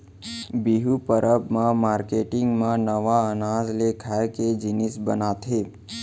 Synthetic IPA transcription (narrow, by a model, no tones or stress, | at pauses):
biɦupəɾəbmãmaɾkeʈɪŋɡmãnəʋaənazlekʰajked͡ʒinisbənat̪ʰe